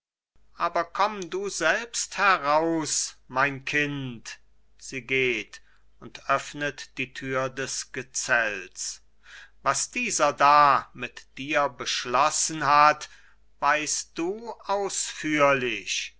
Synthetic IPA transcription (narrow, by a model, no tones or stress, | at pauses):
ʔaːbɐkʰɔmduːzɛlpsthɛʁaʊsmaɪnkʰɪnt | z̥iːɡeːt | ʊntʔœfnətd̥iːtʰyːɐdɛsɡ̥ət͡sɛlt͡s | vasd̥iːzɐdaːmɪtd̥iːɐbəʃlɔsən̩ɦat | vaɪst̚d̥uːʔaʊsfyːɐlɪç